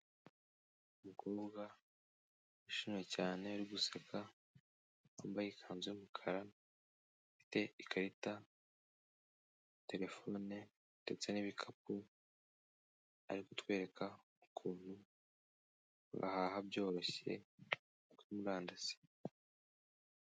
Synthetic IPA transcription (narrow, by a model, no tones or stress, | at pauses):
umukoːbɡa | iʃinecaːneaɾiɡusakʰa | ombajikʰaːnzeumukʰaɾa | fi̥te̞ikʰaɾita | te̞ɾe̞fo̞ne | de̞t͡se̞niβikʰap̚u | a̰ɾiko̞tkwe̞ːɾe̞kʰa | ukʰuːn̥hu | ṵɡa̰haːhabjo̞ːɾo̞çe̞̰ | ukuimuɾaːndase̥